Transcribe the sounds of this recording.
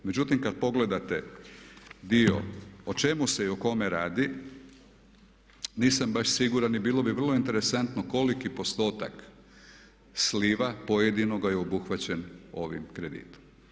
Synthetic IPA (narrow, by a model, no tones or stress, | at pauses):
me̞d͡ʑut̪imkad̪̚po̞ɡle̞d̪at̪e | d̪io̞̰ot͡ʃe̞muse̞iuko̞meɾaːd̪i | niːsambaʃsiɡuɾanibiːlˠobiʋr̩lˠo̞int̪e̞ɾe̞sant̪noko̞likipo̞st̪o̞ːt̪a̰k | sliʋapoje̞d̪ino̞ɡajeobuxʋat͡ɕeno̞ʋḭmkɾe̞d̪ḭːt̪o̥m